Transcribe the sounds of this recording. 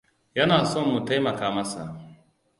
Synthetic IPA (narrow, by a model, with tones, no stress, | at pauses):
jɐ˦naː˨sɔ˦˨mːu˨ta˦jmɐ˨kaː˦mɐ˦sa˨ʔ